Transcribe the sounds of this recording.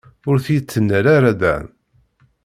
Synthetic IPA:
ʊɾθijt͡sːənːəɾaɾæd̪æ̰n

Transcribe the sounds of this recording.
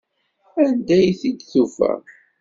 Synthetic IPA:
ænd̪æjθid̪θufæ̰

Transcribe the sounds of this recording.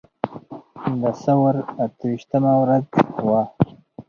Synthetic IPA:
d̪asawaɾat̪wiʃt̪əmawɾazwa

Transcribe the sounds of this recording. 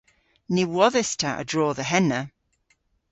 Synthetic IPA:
niwɔðɛstʰaʔə̰dɹɔːðəɦɛnə

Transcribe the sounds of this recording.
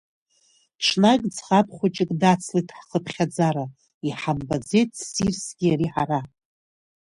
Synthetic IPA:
ʈ͡ʂʰnakʲʼd͡zχapʰχʷat͡ʃʼɪkʼdat͡sʰlitʰʼħχəpʰχʲad͡zaɾa | iħambad͡ze̞jt̚ʰʼsirsɡʲiaɾiħara

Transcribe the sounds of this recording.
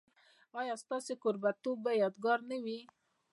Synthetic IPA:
ɑjɑst̪ɑsekʊɾbat̪obːajɑd̪ɡɑɾnawi

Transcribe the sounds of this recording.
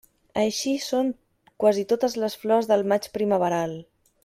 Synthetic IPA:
əʃisoŋ | kwazit̪ot̪əzləsflɔzðəlˠmat͡ʃpɾiməβ̞əɾalˠ

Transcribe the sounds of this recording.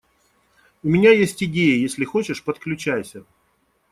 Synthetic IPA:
ʊmʲɪnʲajesʲtʲɪdʲejəjesʲlʲɪxo̞t͡ɕɪʂpət̪klʲʉt͡ɕæjsʲə

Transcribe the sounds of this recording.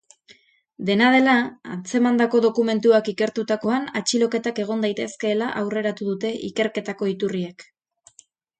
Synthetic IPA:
d̪e̞nað̞e̞laant͡se̞mand̪ako̞ðo̞kume̞nt̪uakike̞ɾt̪ut̪ako̞anat͡ʃilo̞ke̞t̪ake̞ɣ̞o̞nd̪ajt̪e̞ske̞ːlaʔawre̞ɾat̪uðut̪e̞ʔike̞ɾke̞t̪ako̞it̪urie̞k

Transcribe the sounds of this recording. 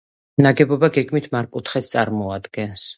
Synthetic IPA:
naɡɛbɔbaɡɛɡmit̪ʰmaɾkʼut̪ʰχɛt̪ʰt̪sʼaɾmɔad̪ɡɛns

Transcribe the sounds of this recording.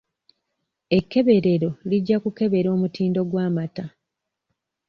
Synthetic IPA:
e̞kːe̞βe̞ɾe̞ɾo̞liɟːakuke̞βe̞ɾo̞ːmutiːndo̞ɡwaːmata

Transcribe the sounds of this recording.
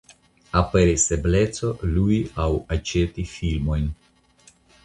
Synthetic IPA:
ape̞ɾise̞ble̞t͡so̞luiawat͡ʃetifilmo̞jn

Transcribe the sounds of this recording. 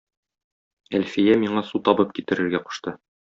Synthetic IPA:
ælfijæmiɴɑsut̪ɒbɤp̚kit̪ɘ̆ɾɘ̆ɾɡæqu̥ʃt̪ɤ

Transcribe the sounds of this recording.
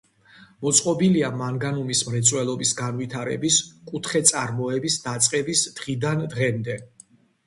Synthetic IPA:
mɔt̪sʼqʼɔbiliamaŋɡanumismɾɛt̪sʼwɛlˠɔbisɡanvit̪ʰaɾɛ̰biskʼut̪ʰχɛt̪sʼaɾmɔɛbisd̪at̪sʼqʼɛbisd̪̥ʁid̪and̪ʁɛmd̪ɛ

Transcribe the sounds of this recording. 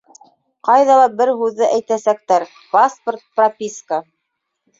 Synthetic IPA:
qɑjðɑlˠɑbɘɾɦʉðːɘʔæjt̪æsæk̚t̪æɾ | pasport̪̚prɐpʲiskə

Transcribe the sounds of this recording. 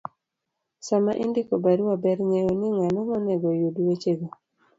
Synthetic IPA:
samaʔindɪkobaɾwabɛɾŋejonɪŋanɔŋɔnɛɡojoduwet͡ʃeɡo

